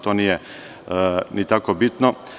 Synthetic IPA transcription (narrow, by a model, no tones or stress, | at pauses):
t̪onijɛ | nit̪akobit̪no